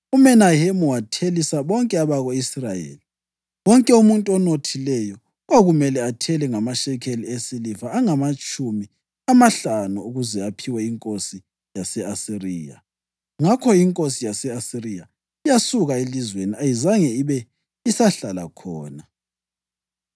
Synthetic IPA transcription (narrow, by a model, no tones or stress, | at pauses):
umɛnahemuwatʰelisaβɔŋkʼɛaβaɣoisrajḛli | wɔŋkʼɛumuntʼɔnotʰilɛjɔ | waɣumɛlɛatʰɛlɛŋamaʃɛkʰeliesilifaːŋamat͡ʃʼumi | amaɬanuuɣuzɛapʰiwɛiŋkʼosi | jasɛasiriːja̰ | ŋakʰɔiŋkʼosijasɛasirija | ijasuɣaelizweniajizaŋɛiβɛ | isaɬala̰kʰɔːna